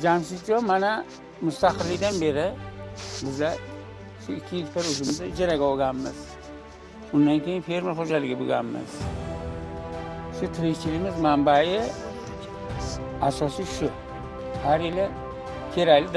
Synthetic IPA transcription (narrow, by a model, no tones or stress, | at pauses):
d͡ʒansɪd͡ʒomana | mʊst̪aqɨlːɪɡd̪anbeɾɪ | bɪza | ʃʊɪkʲʰːiikt̪ʰaɾozɪmɪzad͡ʒaɾaɡaoɡamːɪz | ʊnd̪ankʰejinfeɾmɪlχod͡ʒalɪɡʲɪbʊɡa̰mːɪ̰z̥ | ʃʊt̪ʰɪɾikt͡ʃʰilimɪzmambajɪ | aʃaʃɪʃʊ | haɾelɪ | k̪ʲʰeɾalɪd̪